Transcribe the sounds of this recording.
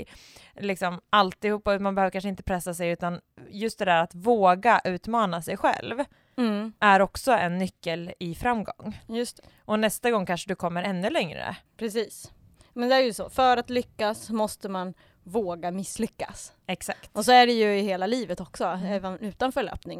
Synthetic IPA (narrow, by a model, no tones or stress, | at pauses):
lɪksɔmalt̪ɪhuːpːamanbɛhøːvɾkanʂ̬əɪnt̪ə̥pʰɾɛsːasɛjʉ̟ːt̪anjɵst̪̚d̪ɛd̪æːɾat̪voːɡaʔʉ̟ːt̪mɑːnasɛjɧɛ̰lv | ʔæɾɔksɔɛnːʏkːəlɪfɾamːɡɔ̰ŋːjɵst̪ɛ | ʔɔnɛst̪aɡɔŋːkʰanʂəd̪ɵkʰɔmːəɾɛnːɵlɛŋɾə̰pʰɾɛsiːs | mɛnd̪ɛæːɾjɵsɔfœːɾat̪lʏkːasmɔst̪əman | voːɡamɪslʏkːa̰s | ɛksakt̪ɔsɔæɖɛjɵɪheːlaliːvət̪ɔksɔɛːvənʉ̟ːt̪anfœɭø̰ːpnɪŋ